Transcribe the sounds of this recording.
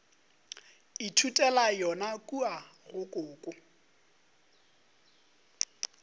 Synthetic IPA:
ɪtʰutʼɛlajɔnakʼuaɣʊkʼʊːkʼʊ

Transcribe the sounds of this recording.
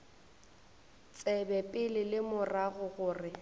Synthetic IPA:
t͡sʼɛbɛpʼɪlɪlɪmʊraɣʊɣʊːrɪ

